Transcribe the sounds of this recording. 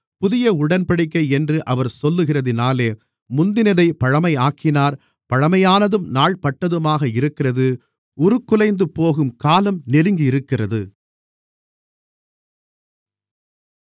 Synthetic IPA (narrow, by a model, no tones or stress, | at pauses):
pʊðɪjɐʊɽɐnpɐɽɪkːɐɪɛndrɯʔɐʋɐɾsɔlːɯɣɪrɐðɪnaːleː | mʊnd̪ɪnɐðɐɪpɐɻɐmɐɪaːkɪnaːɾ | pɐɻɐmɐjaːnɐðɯmnaːɭpɐʈːɐðɯmaːɣɐɪɾɯkːɪrɐðɯ | ʊɾɯkːɯlɐɪnd̪ɯpoːɣɯmkaːlɐmnɛɾɯŋɡɪɪɾɯkːɪrɐðɯ